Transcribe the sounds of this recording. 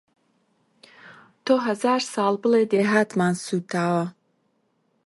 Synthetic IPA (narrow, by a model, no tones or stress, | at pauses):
t̪ʰoːɦɐzaːɾsɑːlˠbɨled̪eːɦaːt̪maːnsuːt̪ʰaːwɐ